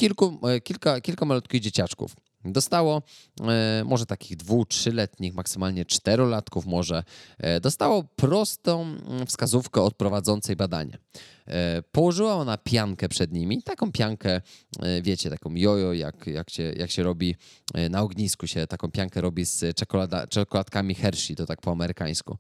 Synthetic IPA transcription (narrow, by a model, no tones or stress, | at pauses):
kʲilkukʲilkakʲilkamalut̪kʲiɣd͡ʑet͡ɕat͡ʂkṵf | d̪ɔst̪awɔ | mʔɔʐɛt̪akʲiɣd̪vuxtʂɘlɛt̪ɲixmaksɘmalɲɛt͡ʂt̪ɛɾɔlat̪kufmɔʐɛd̪ɔst̪awɔpɾɔst̪ɔ̃w̃fskazufkɛɔt̪̚pɾɔvad̪zɔnt̪sɛjbad̪a̰ɲa̰ | pɔwɔʐɘwaɔnapʲjaŋkɛpʂɛd̪ɲimʲit̪akɔ̃w̃pʲjaŋkɛvʲjɛt͡ɕɛt̪akɔ̃w̃jɔjɔja̰kja̰kɕɛjʔakɕɛɾɔbʲinaɔɡɲiskuɕɛt̪akɔ̃w̃pʲjaŋkɛɾɔbʲist͡ʂɛkɔlad̪a̰t͡ʂɛkɔlat̪̚kamʲixɛɾʂit̪ɔt̪ak̚pɔamɛɾɘkaj̃skṵ